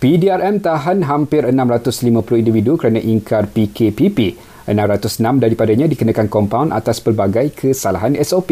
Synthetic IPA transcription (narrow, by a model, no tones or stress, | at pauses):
pidiarɛmt̪aɦanɦampɪɾənãmɾat̪ʊslimãplʊhindividukəɾanãʔiŋkʰarpikʰepipi | ənãmɾat̪ʊsənãmdaɾipadaɲãdikənãkankɔmpaunʔa̰t̪aspərbaɡajkʰəsalaɦanɛsopi